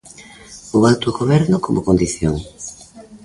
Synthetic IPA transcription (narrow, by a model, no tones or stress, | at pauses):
owalt̪oɣoβɛɾnʊkomokond̪iθjoŋ